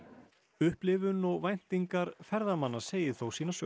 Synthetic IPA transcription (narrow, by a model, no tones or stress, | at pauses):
ʏhplɪvʏnɔɣvajn̥t̪iŋkaɾfɛɾðamanːaseːjɪθowsiːnasœ